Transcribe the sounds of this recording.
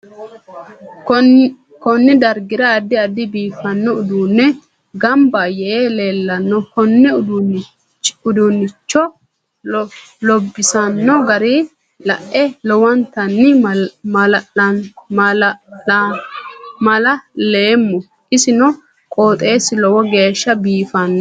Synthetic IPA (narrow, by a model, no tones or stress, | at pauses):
kɔnːɪd̪ɐɾɡɪɾɐːd̪ːɪɐd̪ːɪbiːfɐnːɔʊd̪uːnːɛ | ɡɐmbaːjɛʔeːle̞ːlːɐnːɔhɔnːɛʊd̪ | ʊd̪ʊnːɪt͡ʃːɔ | lɔbːɪsɐnːɔɡɐɾi | lɐʔʔɛlɔwɐnt̪ɐnːɪ | mɐlɐleːmːɔ | ɪsɪnɔ | kʼoːt̪ʼe̞ːsɪlɔwɔɡe̞ːʃːɐbiːfɐnːɔ